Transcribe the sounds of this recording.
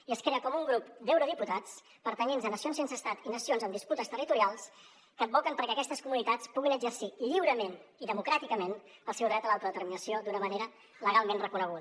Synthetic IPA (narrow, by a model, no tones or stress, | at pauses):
iəskɾeəkɔmuŋɡɾupd̪ɛwɾoð̞iput̪at͡s | pəɾt̪əɲenzənəsionsensəːst̪at̪inəsionzənd̪isput̪əst̪ərit̪uɾialˠs | kəːm̚bɔkəmpəɾkɛəkɛst̪əskumunit̪at͡spuɣinəd͡ʒərsiʎiwɾəmeniðəmukɾat̪ikəmenəlˠsɛwðɾɛt̪əlalˠt̪ɾəðət̪əɾminəsiod̪unəməneɾə | ləɣalˠmenrəkunəɣ̞uðə